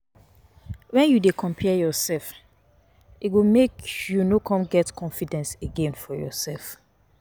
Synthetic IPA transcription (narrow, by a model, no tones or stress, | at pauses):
wɛ̃njudekʰɔ̃mpʰɛjɔsɛlf | itwimekjunokʰɔ̃mɡɛtkʰɔ̃nfidɛ̃nseɡẽnfɔjɔ̰sɛlf